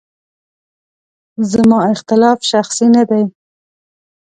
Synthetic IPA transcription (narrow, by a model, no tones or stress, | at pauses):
zamɑɪxt̪ɪlɑfʃaxsinad̪aj